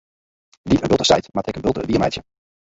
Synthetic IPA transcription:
ditənbɪlˠtə̥stɛ̰jtmaːtɪkənbɪlˠtəə̰biːmɛ̰jtjə

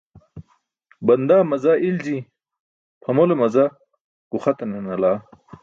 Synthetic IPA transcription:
bɐnd̪aːmɐzaʔilzi | pʰɐmolomɐza | ɡ̥uχɐt̪ɐnɐnɐlaː

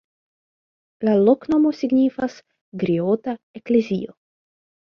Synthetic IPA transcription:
laloknomosiɡnʲifas | ɡɾiot̪a | eklezḭo

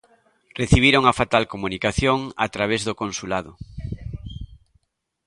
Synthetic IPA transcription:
reθiβ̞iɾoŋafat̪alkomunikaθjoŋa̰t̪ɾaβ̞ezðokõnsulaðʊ

